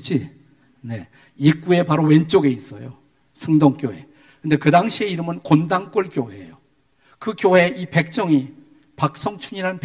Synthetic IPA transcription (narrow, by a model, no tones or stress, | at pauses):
d͡ʑi | ne̞ | ik͈ue̞paɾowe̞nt͡ɕ͈oɡe̞is͈ʌ̰jo̰ | sʰɯŋdoŋk͈joɦe̞̰ | kɯnde̞kɯdaŋɕʰie̞iɾɯmɯnkondaŋk͈oɭkjoɦe̞̰jo | kɯkjohe̞ipe̞k̚t͡ɕ͈ʌŋi | pak̚s͈ʌŋt͡ɕʰuɲiɾanɯnp